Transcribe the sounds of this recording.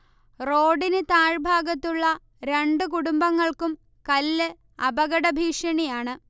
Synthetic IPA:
roːɖinɨt̪aːɻbʱaːɡɐt̪ːuɭːɐ | ɾe̞ɳɖɨk̬uɽumbɐŋːɐɭkum | kɐlːɨ | ɐbɐɡɐɽɐbʱiːʂɐɳijaːɳɨ

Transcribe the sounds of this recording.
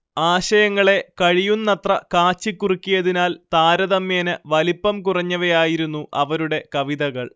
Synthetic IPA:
aːɕɐjɐŋːɐɭe̞kɐɻijunːɐt̪rɐkaːt͡ɕːikːurikʲːijɐðinaːlt̪aːɾɐðɐmjeːnɨʋɐlipːɐmkurɐɲːɐʋɐjaːjiɾunːuɐʋɐɾuɽe̞kɐʋiðɐɣɐɭ

